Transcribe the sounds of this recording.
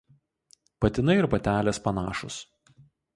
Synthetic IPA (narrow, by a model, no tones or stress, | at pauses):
pɐt̪ʲɪnɐɪɾpɐt̪ʲæːlʲeːspɐnɑːʃʊs